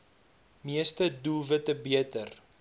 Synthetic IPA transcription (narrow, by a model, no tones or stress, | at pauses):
miəstədulˠvətəbiətər